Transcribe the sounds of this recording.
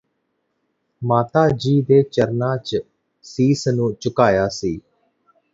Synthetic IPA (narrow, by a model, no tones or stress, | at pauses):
maːt̪aːd͡ʒiːd̪eːt͡ʃəɾnaːt͡ʃ | siːsnũːt͡ʃʊkaːjaːsiː